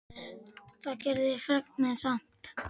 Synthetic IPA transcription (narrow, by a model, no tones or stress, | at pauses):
θacɛɾðɪfɾɛk̚nmɛðsan̥t̪